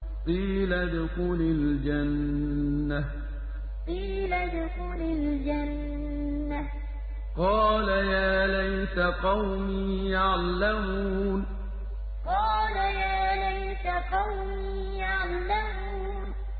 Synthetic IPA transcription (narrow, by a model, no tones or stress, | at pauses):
t̪ˤiːlad̪ʊxuːlald͡ʒanː | a | t̪ˤiːlad̪ʊxuːlald͡ʒanː | a | qɑːlajaːlajsaqɑwmiːjaʕlːamun | qɑːlajaːlajsaqɑwm | iːjaʕlːamuː | n